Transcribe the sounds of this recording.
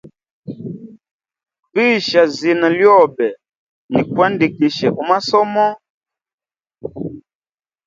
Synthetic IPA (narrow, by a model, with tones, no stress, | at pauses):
bi˦˨ʃa˨zi˨na˨ljɔ˦˨bɛ˨ | ni˨kwa˦ndi˨ki˨ʃɛ˨ʔu˨˦ma˦sɔ˦mɔ˦